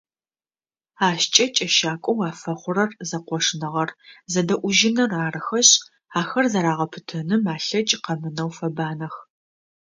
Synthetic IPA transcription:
aːɕt͡ʃʼɐt͡ʃʼɐʃaːkʷʼɔwaːfɐχʷʊrɐrzɐqʷɔʂnɐʁɐrzɐdɐʔʷʊʒɪnɐraːrɨxɐɕ | aːxɐrzɐɾaːʁɐpʰɨtʰɐnɨmaːɬɐt͡ʃʼqɐmɨnɐwfɐbaːnɐx

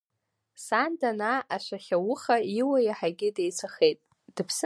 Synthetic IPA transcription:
sandanaʔaʃʷaχʲawʊχaiwajaħaɡʲɪdejt͡sʷʰaχejtʼ | d̥ɨpʰs

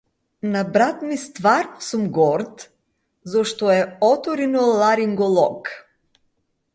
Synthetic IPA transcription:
nabɾat̪mist̪vaɾnɔsumɡɔɾt̪ | zɔʃt̪ɔɛɔt̪ɔɾinɔlˠaɾiŋɡɔlˠɔk

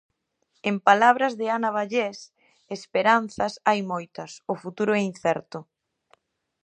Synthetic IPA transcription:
empalaβ̞ɾɐzðɪanaβ̞aʎes | espeɾanθɐsajmojt̪ɐsʊfut̪uɾʊɛin̟θɛɾt̪ʊ

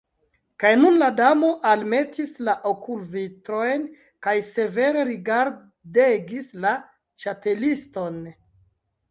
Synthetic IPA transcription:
kajnunladamo̞ʔalme̞tʰislaʔokulvitɾo̞jn | kajse̞ve̞ɾe̞ɾiɡaɾ | deɡisla | t͡ʃape̞listo̞n

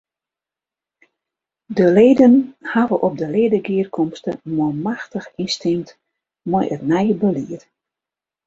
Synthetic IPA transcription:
dəleːdənhavəʔɔp̚dəleədəɡɪərkʰɔmstəmɔmaxtəxinstɪmt | mɔjətnɛjbəliət

